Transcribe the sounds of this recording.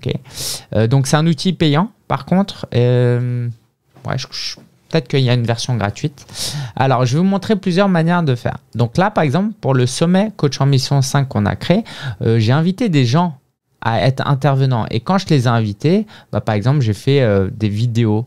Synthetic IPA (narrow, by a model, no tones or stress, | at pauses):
okʲḛød̪ɔ̃ksɛt̪ɛ̃nut̪ipejɑ̃pa̰ʁkɔ̃t̪χem | wɛ̰ʒə | pə̥t̪ɛt̪χkəiljaynvɛʁsjɔ̃ɡʁa̰t̪ɥit̪a̰lɔʁʒəvumɔ̃t̪χeplyzjœʁmanjɛʁd̪əfɛ̰ːʁd̪ɔ̃klapaʁɛɡzɑ̃plpuʁləsɔmɛkot͡ʃɑ̃misjɔ̃sɛ̃kːɔ̃na̰kχeøʒeɛ̃vit̪ed̪eʒɑ̃ | ʔa̰ɛt̪χɛ̰̃t̪ɛʁvənɑ̃ʔḛkɑ̃ʒəlezaɛ̃vit̪ebapaʁɛɡzɑ̃plʒefɛød̪evid̪eo